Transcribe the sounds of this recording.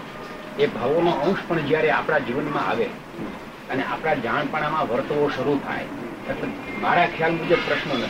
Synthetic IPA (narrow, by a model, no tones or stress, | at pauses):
ebʱaʋonoə̃w̃ʃpəɳd͡ʒjaɾeapɽ̃ad͡ʒiʋənmãa̰ʋe | əneʔa̰pɽad͡ʒaɳ̃paɽ̃amãʋəɾt̪əʋoʃəɾut̪ʰa̰jt̪əkːmaɾakʰejalmud͡ʒəb̚pɾəʃnənə